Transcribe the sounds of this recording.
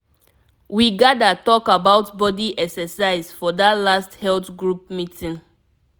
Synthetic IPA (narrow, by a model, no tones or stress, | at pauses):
wiɡadatɔkabaʊtbɔdiʔɛksɛsaɪzfɔdatlasthɛltɡɹup̚mitʰĩn